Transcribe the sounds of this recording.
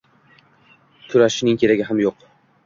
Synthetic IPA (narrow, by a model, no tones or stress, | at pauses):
kʰʊɾaʃɪnɪŋkʲʰe̞ɾaɡʲɪɦamjoq